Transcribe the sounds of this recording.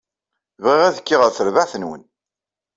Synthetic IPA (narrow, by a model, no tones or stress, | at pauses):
vʁiʁæðkːiʁəɾθəɾvaθənwə̰n